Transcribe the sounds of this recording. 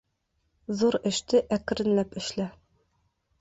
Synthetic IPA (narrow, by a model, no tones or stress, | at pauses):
zuɾɘ̆ʃt̪ɘʔækɘ̆ɾɘ̆nlæpɘ̆ʃlæ